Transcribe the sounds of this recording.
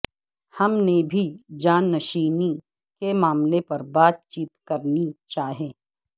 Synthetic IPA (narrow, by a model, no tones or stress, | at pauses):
hɐmnebʱid͡ʒaːnːɐʃiːni | kemaːmlepɐɾbaːt̪̚t͡ʃiːt̪kɐɾnit͡ʃaːɦẽː